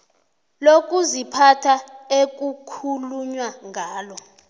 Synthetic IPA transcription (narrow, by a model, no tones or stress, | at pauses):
lokʼuzipʰatʰaek̬ʼukʰuluɲwaŋʱaːlɔ